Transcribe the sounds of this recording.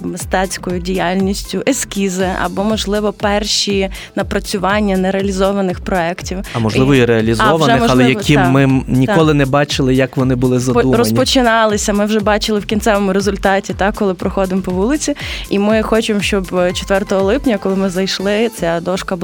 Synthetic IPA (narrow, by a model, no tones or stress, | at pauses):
mɪst̪ɛt͡sʲkɔjʊdʲijalʲnʲisʲtʲʊʔeskʲizɪɐ̰bɔmɔʒlˠɪʋɔpɛrʃi | nɐpɾɐt͡sʲʊʋɑnʲːɐnɛɾeɐlʲizɔʋɐnɪxpɾɔɛktʲiwɐmɔʒˠɪʋɔiɾeɐlʲizɔʋɐnɛɪmɔɐlˠɛjɐkɪmːɪnʲikɔlˠɪnɛbɑt͡ʃɪlˠɪjɐkʋɔnɪbʊlˠɪzɐd̪umrɔsʲpɔt͡ʃɪnɑlˠɪsʲɐmɪwʒɛbɑt͡ʃɪlˠɪwkʲint̪sɛʋɔmʊɾezʊlʲt̪ɑtʲit̪ɑkːɔlˠɪpɾɔxɔd̪ɪmpɔʋulˠɪt͡sʲiimɪxɔt͡ʃemʃt͡ʃɔbt͡ʃɔ̥t̪ʋɛrt̪ɔɦɔlˠɪpnʲɐkɔlˠɪmɪzɐjʃlˠɪt͡sʲad̪ɔʃkɐb